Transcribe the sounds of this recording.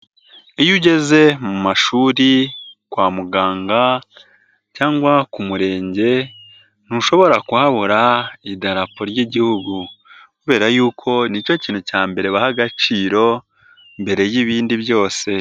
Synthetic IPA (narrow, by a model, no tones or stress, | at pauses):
ijuɟe̞ze̞mumaʃuːɾikwaːmuɡaːŋɡa | caːŋɡwakumuɾe̞ːɲɟe̞ | n̥huʃo̞βo̞ɾakuhaβoɾaidaɾapo̞ɾɟiɟihuɡukuβe̞ːɾajuːkʰo̞nico̞ciːn̥hucaːmbe̞ɾe̞βahaɡat͡ʃiːɾo̞ | mbe̞ɾe̞jiβiːndiβjo̞ːse̞